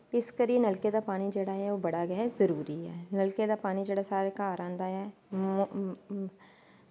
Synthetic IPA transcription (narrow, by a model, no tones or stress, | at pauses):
ɪskɐɾienɐlked̪apaːnid͡ʒeɽaɛʋobɐɽaɡɛɛzɐɾuːɾiɦɛ̰ːnɐlked̪apaːnid͡ʒɐɽasaːɾekaːɾãːnd̪aɦɛː